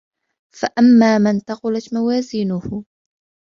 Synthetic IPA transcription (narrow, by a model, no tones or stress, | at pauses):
faʔamːaːmant̪ɑqʊlat̪mawaːziːnʊhʊ